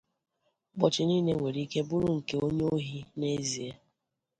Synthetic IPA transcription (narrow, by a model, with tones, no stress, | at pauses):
ɡ͡bɔ˨t͡ʃɪ˨niː˦ne˦we˨ɾi˦ke˦bʊ˦ɾu˦ŋ̩˨ke˦o˦ɲ˦o˦ɦi˦ne˦zi˨e˦